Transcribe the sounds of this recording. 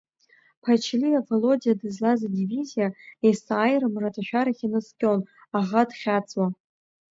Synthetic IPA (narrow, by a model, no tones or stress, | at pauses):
pʰat͡ʃʰliavolo̞dijadɨzlazadivizijaesaːjrɨmratʰʼaʃᶣaɾaχʲinɨskʲʼo̞n | aʁadχʲat͡sʼwa